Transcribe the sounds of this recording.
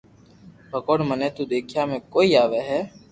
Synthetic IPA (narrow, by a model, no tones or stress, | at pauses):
bʱəkoːɽməneːt̪uːd̪eːkʰjaːmẽːkoːiːaːʋeːɦɛː